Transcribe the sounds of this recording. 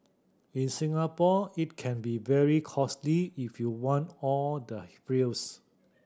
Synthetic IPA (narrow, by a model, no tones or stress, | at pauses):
ĩnsĩŋapɔit̚kʰɛ̃nbivɛɹikʰɔsliifjuwɔ̃ntɔldəfɹils